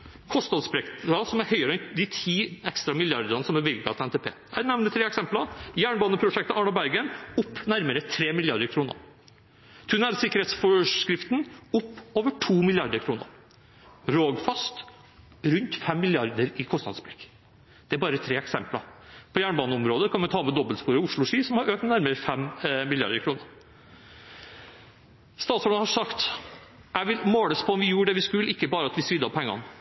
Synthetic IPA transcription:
kʰɔst̪nɑd̪sbɾɛkt̪ɑsɔmæɾhœʏəɾəɛnd̪ɪt̪ʰiːɛkst̪ɾɑmɪljɑɾd̪ɑnəsɔmæʋɪlɡɑt̪ɛnt̪ʰɛːpʰḛːænɛʋnət̪ʰɾeːɛksɛmpləjæːɳbɑːnəpʰɾʊʂɛkt̪əʔɑːɳɑbæɾɡənʊpːnæɾməɾət̪ʰɾeːmɪlɪɑɾd̪əɾkʰɾuːnə̰ɾ | t̪ʰʉnæːɾsɪkːəɾheːt̪sfɔʂkɾɪft̪n̩ʊpːoːʋəʈʰuːmɪlɪɑɾd̪əɾkʰɾuːnə̰ɾ | ɾoːɡfɑst̪ | ɾʉnt̪fɛmːɪlɪɑɾd̪əɾɪkʰɔst̪ɑ̰d̪sbɾɪk | d̪̥ɛæbɑːɾət̪ʰɾeːɛksɛmplɑ̰pʰɔjæːɳbɑːnəɔmɾoːd̪əkʰɑnʋɛnt̪ʰɑːmɛd̪ɔbəlspuːɾəʊʂɭʊʂiːsɔmhɑɾøːk̚nnæɾməɾfɛmmɪlɪɑ̰ɾd̪əɾkʰɾuːnəɾ | st̪ɑːt̪sɔɑhɑʂɑkt̪ | jæɪʋɪlmoːləspʰɔɔmʋɪjuːɖɛʋɪskʉlːʔɪkːəbɑːɾəɑt̪ʋɪsɾɪd̪ːɑpʰɛŋːɑ̰n

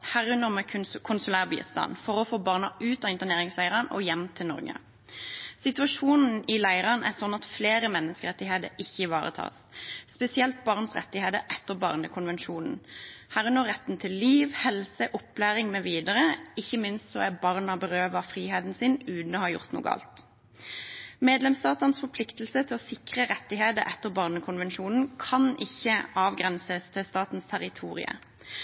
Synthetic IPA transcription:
hæːʁʉnəʁmɛk̪ʰkʰʊnsʉlæːʁbḭːst̪ɑ̰ːnfɔʁɔfoːbɑʁnɑʔʉːt̪ɑːɪnt̪əʁneːʁɪŋslæɪʁɑnɔ̰jɛmt̪ʰɪlnɔ̰ɾɡə̰ | sɪt̪ʉɑʂuːnn̩ɪlæɪʁɑnæ̰ʁsɔnːɑt̪fleːɾəmɛnːəskəʁɛt̪ːɪheːd̪ə̰ɾɪçːəʋɑːʁə̰t̪ʰɑ̰ːsspɛsɪɛlt̪̚bɑʁnsʁɛ̰t̪ːɪheːd̪əɾɛt̪ːəʁbɑ̰ːʁnəkʰʊnʋɛnʃuːnn̩hæːʁʉnəʁʁɛt̪ːn̩t̪ʰɪlːiːʋhɛlsəʔʊplæːʁɪŋmɛʋiːd̪əʁəɪçːəmɪnst̪sɔæbɑʁnɑbəʁøːʋəfʁiːheːd̪n̩sɪnʉːd̪n̩ɔːhɑjʊ̰ʁt̪nṵːɡəɑ̰ːlt̪ | meːd̪lɛmst̪ɑːt̪əʁnsfɔpʰlɪkt̪əlsət̪ʰɪlɔsɪkʁəʁɛt̪ːɪheːd̪əʔɛt̪ːəʁbɑːʁnəkʰʊnʋɛnʃuːnn̩kʰɑnɪçːəɑːʋɡʁɛnsəst̪ʰɪlst̪ɑːt̪n̩st̪ʰæʁɪt̪ʰuːʁɪ̰ə̰

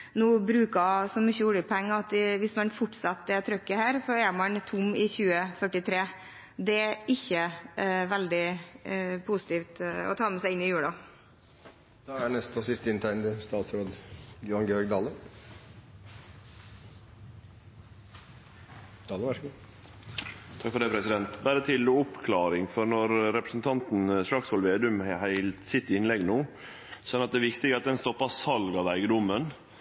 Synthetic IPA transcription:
nuːbɾʉːkɑsɔmʏçːəʊləpʰɔɛŋːɑt̪ɪʋɪsmɑnfʊʈːsɑt̪ːd̪ɛt̪ʰɾœkːəhæːɾsɔɛmɑnt̪ʰʊmːɪçʉːəfœʈːɪt̪ʰɾeː | d̪ɛæʔɪçːəʋæld̪ɪ | pʰusɪ̥t̪iːft̪ɔ̰t̪ʰɑːmɛsæɪɪnːɪjʉːɽɑ | d̪̥ɑænɛst̪ɔsɪst̪əɪnt̪ʰæɪnd̪əst̪ɑːt̪sɾoːd̪jʊɑnɡɛɔɾɡd̪ɑːlə | t̪ʰɑləʋæʂɡ | t̪ʰɑkfɔɾɖ̪æɪpʰɾɛsɪd̪ɛnt̪bæɾət̪ʰɪlʊpkʰlɑːɾɪŋfɔɾnɔɾɾɛpɾəsn̩t̪ʰɑnt̪n̩ʂɭɑksʋɔlʋeːd̪ʉmhæɪlt̪sɪt̪ːɪɪnlɛɡnuː | sɔɔnɑt̪̚d̪ɛːʋɪkt̪ɪɡəɑt̪̚d̪ɛnst̪ɔpːɑsɑlɡɑʋæɪɡəd̪ʊmːən

